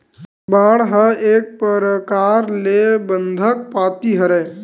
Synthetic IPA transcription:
baːɽɦəeːk̚pəɾəkaːɾlebə̃nd̪ʱək̚paːt̪iɦəɾɛː

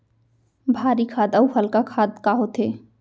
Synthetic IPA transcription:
bʱaːɾikʰaːd̪əuhəlkakʰaːd̪kaɦot̪eː

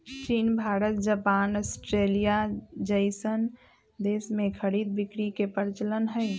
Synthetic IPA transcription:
t͡ʃiːnbʱaːɾət̪̚d͡ʒəpaːnəsʈɾelijad͡ʒəɪsən | d̪eːsmẽkʰəɽiːd̪̚bikɾikepəɾt͡ʃələnɦəɪ

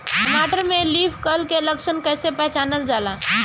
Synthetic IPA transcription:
ʈəmaʈəɾmelipʰkəlkeləksʰənkɛjsepɛɦt͡ʃanəld͡ʒala

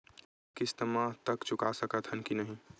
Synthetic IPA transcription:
kɪst̪əmãt̪ɐkt͡ʃʊkasəkət̪ʰənkinəɦĩ

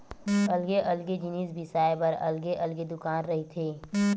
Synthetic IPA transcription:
ɐlɡeʔɐlɡed͡ʒɪniːsbʱɪsaːepɐɾɐ̰lɡeʔɐlɡed̪ʊkaːnɾɐɦit̪ʰeː

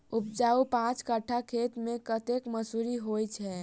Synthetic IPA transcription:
up̚d͡ʒaupãt͡ʃkəʈʰakʰet̪mekət̪ekməsuɾiɦojt͡ʃʰɛ

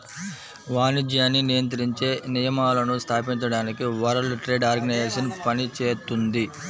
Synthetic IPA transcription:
ʋaːnid͡ʒjaːnːinijɐnt̪̬ɾiɲt͡ʃe̞ːnijɐmaːlɐnust̪ʰaːpiɲt͡ʃɐɽaːnikiʋɐɾɐlʈɾe̞ːɖaːɾɡɐnɐeːʂɐnpɐnit͡ʃeːt̪und̪i

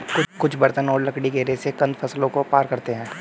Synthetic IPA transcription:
kʊkʊt͡ʃʰbɐɾt̪ənɔːɾlɐkɽiɡeːɾesekɐ̃nd̪fʰɐslõkopaːɾkɐɾt̪eɦɛ̃ː

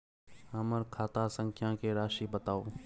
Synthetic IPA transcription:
ɐməɾkʰaːt̪aːsə̃ŋkʰjãːkeɾaːʃibət̪aːoː

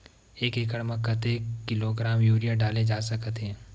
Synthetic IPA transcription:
eːkekəɽmə̃kət̪eːɪloɡɾaːmjuːɾijaɖaːled͡ʒaːsɐkt̪ɦɛ̃ː

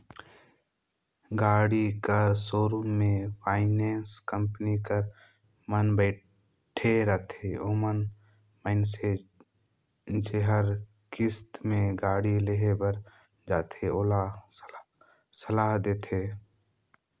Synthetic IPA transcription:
ɡaːɽikəɾsoːɾũmẽpʰaːɪneːnskəmpnikəɾ | mənbɛː | ʈʰeɾət̪ʰeoːmən | məɪnse | d͡ʒeɦəɾ | kɪst̪mẽɡaːɽileɦebəɾ | d͡ʒaːt̪ʰeoːla | səlaːɦd̪eːt̪ʰeː

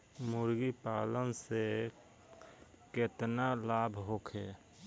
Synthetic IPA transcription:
muɾɡipalənse | ket̪nalabʱɦokʰe

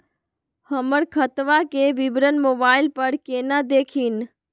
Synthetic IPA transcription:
həməɽkʰət̪ʋakeʋɪbɾənmoːbaːɪlpəɾkeːnad̪eːkʰiːn

